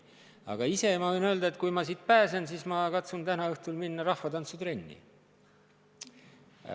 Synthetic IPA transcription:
ɑ̰ɡ̥ɑise̞mɑvɤjnøːld̪ɑe̞t̪kujmɑsiːt̪̚pæːse̞nsiːsmɑkɑt̪sunt̪ænɑɤht̪ulminːɑɾɑhfɑt̪ɑnsut̪re̞nʲːḭ

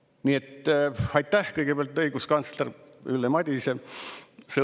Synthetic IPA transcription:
niet̪ːɑjt̪ˑːæhkɤjɡepeæɑlt̪ːɤiɡ̥uskɑnt̪slerylːemɑd̪ʲise | se

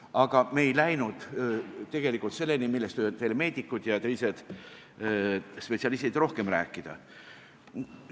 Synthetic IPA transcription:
ɑɡ̥ɑme̞ːjlæjnud̪̥t̪e̞ɡ̥e̞likˑult̪se̞lːe̞nimilːe̞st̪øt̪eleme̞ːd̪ikːˑud̪̥jɑt̪elised̪̥ | spe̞t̪sʲiɑlist̪id̪ro̞hke̞mɾæ̰ːkːˑid̪̥ɑ̰

